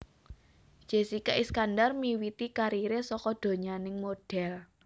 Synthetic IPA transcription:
d̥ʒ̥e̤sikaʔiskandarmiwit̪ikaɾiɾesɔkɔd̪̥o̤ɲanɪŋmoɖ̥ɛ̤l

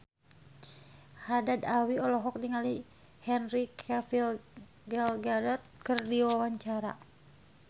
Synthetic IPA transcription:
hadad̪awiɔlɔɦɔk̚diŋali | hɛnrikʰafil | ɡɛlɡadɔt̪̚kərdiwawaɲt͡ʃaɾa̰

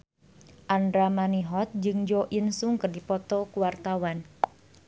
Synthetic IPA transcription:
ʔandɾamaniɦɔt̪̚d͡ʒɨŋd͡ʒoʔinsuŋkərdipɔt̪ɔkuwart̪awan

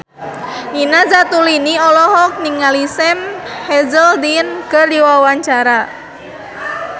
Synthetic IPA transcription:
ninazat̪uliniɔlɔɦɔk̚niŋalisɛmhɛzəldinkərdiwawaɲt͡ʃaɾa

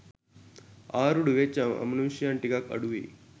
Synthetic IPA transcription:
aɾuɽuʋet͡ɕaə̰mnunɕijãɳʈikakə̰ɽuʋḭː

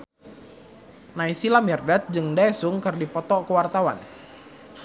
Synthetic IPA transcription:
naisilamɛrdat̪̚d͡ʒɨŋdaɛsʊŋkɨrdipɔt̪ɔkəwart̪awa̰n

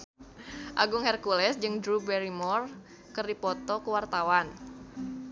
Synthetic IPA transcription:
ʔaɡʊŋhɛrkulɛsd͡ʒɨŋdɾubɛɾimɔr | kɨrdipɔt̪ɔkəwart̪awan

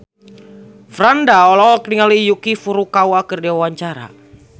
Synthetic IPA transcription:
fɾandaɔlɔk̚niŋalijukifuɾukawakərdewawaɲt͡ʃaɾa̰

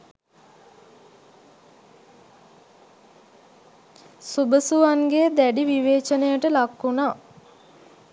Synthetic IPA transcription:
subəsuʋanɡeːd̪æɖiʋiʋeːt͡ʃənəjəʈəlakːuna

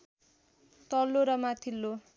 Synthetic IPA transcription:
t̪ʌlːoɾʌmat̪ʰilːo

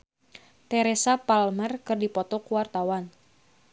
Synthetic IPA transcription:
t̪ɛɾesapalmɛrkɨrdipɔt̪ɔkuwart̪awan

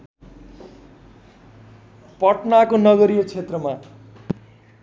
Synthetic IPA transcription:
pʌʈnakonʌɡʌɾijot͡sʰet̪rʌma

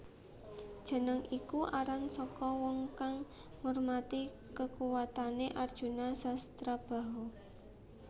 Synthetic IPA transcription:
d̥ʒ̥ə̤nəŋʔikuʔaɾansɔkɔwɔŋkaŋː | ormat̪i | kəkuwat̪aneʔard̥ʒ̥ṳnasast̪ɾab̥a̤ɦo

